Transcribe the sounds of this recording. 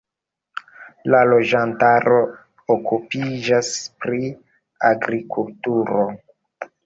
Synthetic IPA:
lalo̞d͡ʒantaɾo̞ | okupid͡ʒaspɾi | aɡɾikultuɾo̞

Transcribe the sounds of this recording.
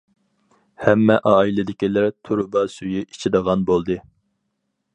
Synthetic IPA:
hɛmːɛʔɑːilɪd̪ɪkʲilæɾt̪ʰuɾʊbɑsyjyʔi̥t͡ʃʰid̪əʁɑnbolˠd̪ɨ

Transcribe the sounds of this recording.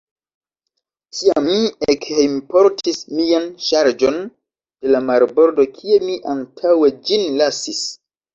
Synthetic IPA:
tiamːiekhimpo̞ɾtʰismianʃaɾd͡ʒo̞n | d̥e̞lamaɾbo̞ɾdo̞kʰie̞miʔantʰawe̞d͡ʒinlasis

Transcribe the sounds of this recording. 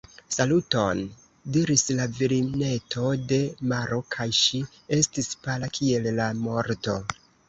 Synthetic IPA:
saluto̞n | diɾislaviɾine̞tʰo̞de̞maɾo̞kʰajʃi | e̞stispalakʰie̞lːamo̞ɾto̞

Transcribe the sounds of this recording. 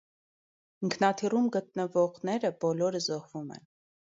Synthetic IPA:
iŋkʰnɑt̪ʰirumɡət̪̚nəvɔʁnɛɾəbɔlɔɾəzɔhvumɛ̰n

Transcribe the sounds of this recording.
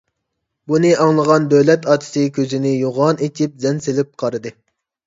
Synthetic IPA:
bunɨʔɑŋlˠəʁɑnd̪ølɛt̪ɑːt̪ʰɨ̥sɨkʲʰøzɪnɪjoʁɑnet͡ʃʲʰip̚zɛnselɪp̚qʰɑɾɨd̪ɨ

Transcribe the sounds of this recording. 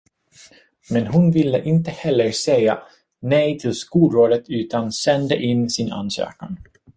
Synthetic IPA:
mɛnɦʊnvɪlːə̰ʔɪnt̪əhɛlːəɾsɛja̰ | nɛjt̪ʰɪlskuːlɾoːd̪ət̪ʉ̟ːt̪ansɛnd̪ə̰ʔɪnːsɪna̰nsø̰ːkaŋ

